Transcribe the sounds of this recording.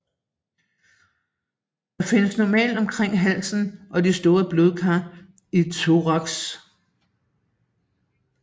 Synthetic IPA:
d̥ɑ̈fe̝nəsnɒmɛ̰ːld̥ɒ̽mkʰʁeŋ̰ɦæl̰sn̩ʔɒ̽disd̥o̝ːɐb̥lo̝ð̞ˠkʰɑ | it͡sʰoʁɒɡ̥s

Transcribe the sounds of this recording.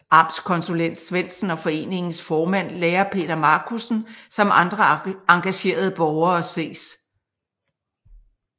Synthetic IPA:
ʔɑ̈b̥skʰɒ̽nsulen̰d̥sʋen̰d̥sn̩ɒ̽fɒ̽e̝̰ːne̝ŋn̩sfɒːmæn̰leːɐpʰe̝̰ːd̥ɐmɑ̈ːkʰusn̩sɒ̽mʔɑ̈nd̥ʁɐɑ̈ŋɡ̥æɕe̝̰ːɐð̞̩ˠəb̥ɒʊɐːse̝̰ːs

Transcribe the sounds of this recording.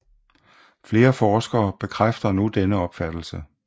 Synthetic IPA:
fle̝ːɐfɒːsɡ̥ɐːb̥e̝kʰʁafd̥ɐnud̥enəɒ̽b̥fæd̥l̩sə

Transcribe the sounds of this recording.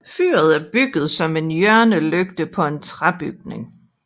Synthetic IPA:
fy̰ːɐð̞ˠæɐb̥yɡ̥ð̞̩ˠsɒ̽me̝njœɐnəløɡ̥d̥əpʰɒ̽e̝nt͡sʰʁab̥yɡ̥̚ne̝ŋ

